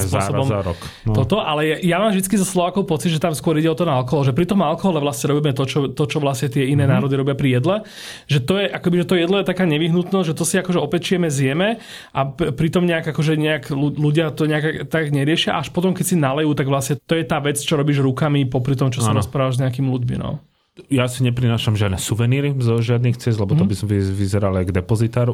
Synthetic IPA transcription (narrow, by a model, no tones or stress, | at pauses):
ɔɔsɔbɔmɾɔ̰kt̪ɔt̪ɔʔalɛjɛjamaːmʒd̪it͡skizɔslɔʋaːkɔʊpɔt͡sid̪ʒɛt̪amskʊɔɾiɟɛɔt̪ɔnaalkɔɦɔlɔʒɛpɾit̪ɔmalkɔɦɔlɛʋlasɲɛɾɔbiːmɛt̪ɔt͡ʃɔt̪ɔt͡ʃɔʋlasɲɛt̪ɪɛinɛːnaːɾɔd̪iɾɔbɪapɾijɛd̪lɛ | ʒɛt̪ɔjɛʔakɔkbiʒɛt̪ɔjɛd̪lɔjɛt̪akaːɲɛʋiɦnut̪nɔzɟʒɛt̪ɔsiakɔʒɛɔpɛct͡ʃɪɛmɛzjɛmɛ | ʔappɾit̪ɔmɲɛaɡakɔʒɛɲɛakluluɟɪat̪ɔɲɛaɡt̪aɡɲɛɾɪɛʃɪa̰ʔaʃpɔt̪ɔmkɛcʲsinalɛjuːt̪aɡʋlasɲɛt̪ɔjɛt̪aːʋɛt͡st͡ʃɔɾɔbiːʒɾukamipɔpɾit̪ɔmt͡ʃɔsaɾɔspɾaːʋaʒzɲɛakiːmiluɟmḭnɔ̰ | jasiɲɛpɾinaːʃamʒɪad̪nɛsuʋɛniːɾizɔʒɪad̪nixt͡sɛzd̪lɛbɔt̪ɔbisɔmʋizɛɾalajɡd̪ɛpɔzit̪aːɾu